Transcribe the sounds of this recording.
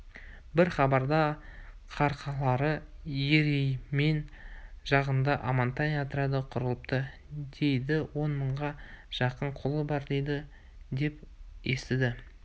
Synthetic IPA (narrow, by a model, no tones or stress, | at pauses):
bɪɾχɑbɑɾd̪ɑ | qʰɑɾqʰɑlˠɑɾəjeɾejme̞nʒɑʁənd̪ɑʔamant̪ɑnijɑt̪əɾɑd̪əqʰʊɾəlˠəp̚t̪ə | d̪e̞jd̪ɪwo̞nməɴʁɑʒ̥ɑqəɴqʰolˠəbɑɾd̪e̞jd̪ɪ | d̪e̞pjest̪ɪd̪ɪ